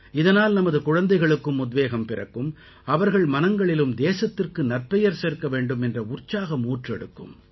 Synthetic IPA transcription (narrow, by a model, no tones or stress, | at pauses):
ɪðɐnaːlnɐmɐðɯkʊɻɐnd̪ɐɪɣɐɭɯkːɯmʊd̪ʋeːɣɐmpɪrɐ̰kːɯm | ɐʋɐɾɣɐɭmɐnɐŋɡɐɭɪlɯmd̪eːsɐt̪ːɪrkɯnɐrpɛjɐɾseːɾkːɐʋeːɳɖɯmɛndrɐʊrt͡ʃːaːɣɐmuːʈrɛɽɯkːɯ̰m